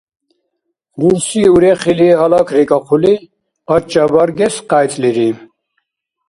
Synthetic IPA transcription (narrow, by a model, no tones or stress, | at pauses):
ʁuɾsiuɾɛχiliɛɦɑlakʰɾikʼaqʰuli | at͡ʃːabɑɾɡɛsqajt͡s̪ʼliɾi